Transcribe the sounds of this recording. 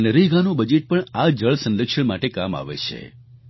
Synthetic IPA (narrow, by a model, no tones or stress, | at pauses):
nəɾiɡanũbəd͡ʒeʈ̚pəɳad͡ʒəɭsənd̪əkʂəɳmaʈekama̰ʋḛt͡ʃʰḛ